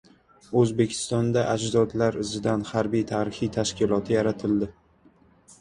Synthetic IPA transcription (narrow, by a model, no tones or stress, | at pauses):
ɵzbe̞kʲʰɪ̥st̪ɒnd̪aʔad͡ʒzɒd̪laɾɪzɪd̪anhaɾbijt̪ʰaːɾɪχijt̪ʰaʃkʲɪlˠɒt̪ʰɪjaɾat̪ʰɪld̪ɪ